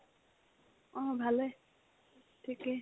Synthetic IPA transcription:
ɔ̃bʱale | ʈʰike

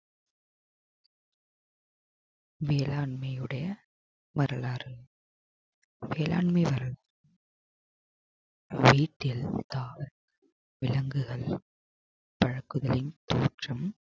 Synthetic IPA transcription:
ʋeːlaːɳmɐjɯɽɐjɐ | mɐɾɐlaːɾɯ | ʋeːla̰ːɳmɐɪʋɐɾɐl | ʋiːʈːɪlt̪aːɾ | ʋɪlɐŋɡɯɣɐɭ | pɐɻɐkːɯðɐlɪnt̪oːʈrɐm

